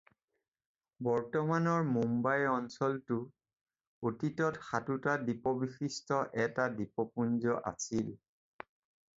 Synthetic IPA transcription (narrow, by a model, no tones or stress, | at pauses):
bɔɹtɔmanɔɹmumbajɔnsɔltʊ | otitɔtxatutadipɔbixistɔʔɛtadipɔpunzɔʔa̰sil